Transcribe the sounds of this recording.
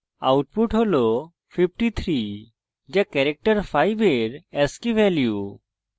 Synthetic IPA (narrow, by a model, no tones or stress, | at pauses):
awʈpuʈɦolɔ | pʰip̚ʈit̪ʰɾi | d͡ʒakɛɾɛk̚ʈəɾpʰajbeɾɛskiʋɛlju